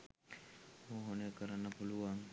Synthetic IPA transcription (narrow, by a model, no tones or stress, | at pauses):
oːɦonəjkəɾanːəpuluʋaŋ